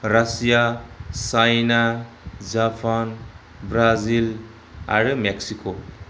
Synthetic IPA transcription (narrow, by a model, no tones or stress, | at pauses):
ɾasijasajna | d͡ʒapʰan | bɾazil | a̰ɾɯmeksikʰo